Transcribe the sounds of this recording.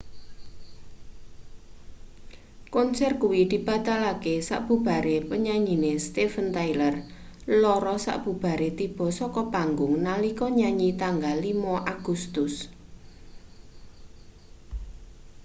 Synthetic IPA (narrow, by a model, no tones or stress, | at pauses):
kɔnsɛrkuwid̪̥i̤b̥a̤t̪alakesa̰ʔb̥ṳb̥a̤ɾepəɲaɲinest̪efənt̪ajlər | lɔɾɔsa̰ʔb̥ṳb̥a̤ɾet̪ib̥ɔ̤sɔkɔpaŋɡʊŋnalikɔɲaɲit̪aŋɡalimɔʔaɡ̥ust̪ʊs